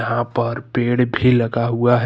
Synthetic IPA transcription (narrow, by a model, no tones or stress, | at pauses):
ɦãpəɾpeːɽbʱiləɡaɦuaɦ